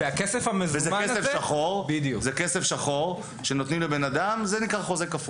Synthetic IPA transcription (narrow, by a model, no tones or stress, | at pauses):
eakesefamezvezeakesefʃaχoʁbid̪juzekesefʃaχo̞ʁ | ʃe̞no̞t̪nimlebe̞nad̪amzenikʁaχo̞zekafu